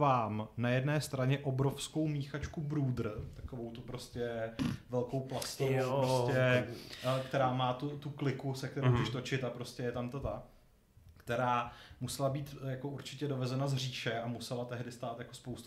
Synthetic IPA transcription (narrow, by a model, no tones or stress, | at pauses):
vaːmnajɛdnɛːst̪ɾaɲɛʔobɾofsko̞wmiːxat͡ʃkubɾuːd̪ɾ̩t̪ḁkovowt̪upɾo̞scɛvɛlko̞wplast̪ovopɾostɛ | kt̪ɛɾaːmaːt̪ut̪uklɪkusɛk̚t̪ɛɾomd͡ʒɛʃt̪o̞t͡ʃɪt̪apɾo̞scʲɛjɛt̪amt̪at̪a | kt̪ɛɾaːmusɛlabiːt̪jakouɾt͡ʃɪcɛdo̞vɛzɛnazr̝iːʃɛamusɛlat̪ɛɦdɪst̪aːt̪jako̞spowst̪